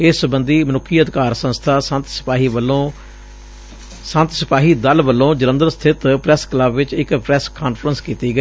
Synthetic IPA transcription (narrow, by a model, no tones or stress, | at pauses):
ɪsəbənd̪iːmənʊkʰːiːəd̪ɪkaːɾsə̃nst̪ʰaːsə̃nt̪sɪ̥paːɦiːʋəlõː | sə̃nt̪sɪpaːɦiːd̪əlʋəlːõːd͡ʒələ̃nd̪əɾsə̥t̪ʰɪt̪pɾɛskləbʋɪt͡ʃɪkpɾɛːskaːnfɾənskiːt̪iːɡəiː